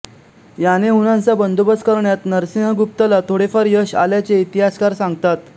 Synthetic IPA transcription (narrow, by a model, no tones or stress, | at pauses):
janeɦunãnt͡sabənd̪ubət͡skəɾɳjat̪nəɾsinɦɡup̚t̪əlat̪ʰoɽefəɾjəɕa̰ljat͡seit̪iɦaskaɾsãŋɡt̪at̪